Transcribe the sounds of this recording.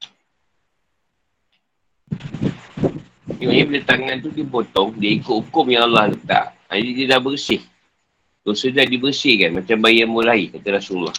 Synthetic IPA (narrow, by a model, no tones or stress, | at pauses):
juɲĩblət̪aŋãnt̪udipot̪ɔŋdiaikʊt̪hukʊmjaŋalːahlət̪a̰ʔ | a̰didilaʔbərsɪh | t̪usəd͡ʒaʔdibərsɪhkanmat͡ʃambajamulaikat̪aɾasula̰h